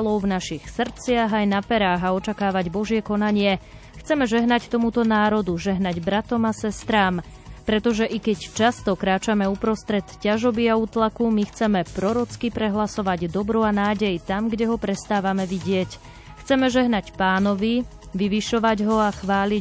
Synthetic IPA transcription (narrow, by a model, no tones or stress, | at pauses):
lɔʊvnaʃixsr̩t͡sɪaɣajnapɛɾaːɣaɔt͡ʃakaːʋaɟbɔʒɪɛkɔnaɲɪɛ | xt͡sɛmɛʒɛɦnact̪ɔmut̪ɔnaːɾɔd̪uʒɛɦnaɟbɾat̪ɔmasɛst̪ɾaːm | pɾɛt̪ɔʒɛʔikɛct͡ʃast̪ɔkɾaːt͡ʃamɛupɾɔst̪ɾɛt̪caʒɔbiauːt̪lakumixt͡sɛmɛpɾɔɾɔt͡skipɾɛɦlasɔʋaɟd̪ɔbɾuanaːɟɛjt̪amɡɟɛɦɔpɾɛst̪aːʋamɛʋiɟɪɛc | xt͡sɛmɛʒɛɦnacpaːnɔʋi | ʋiʋiʃɔʋaɟɦɔaxʋaːli